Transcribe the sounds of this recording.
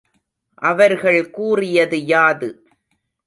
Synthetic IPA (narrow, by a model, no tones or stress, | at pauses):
ʔɐʋɐɾɣɐɭkuːrɪjɐðɯjaːðɯ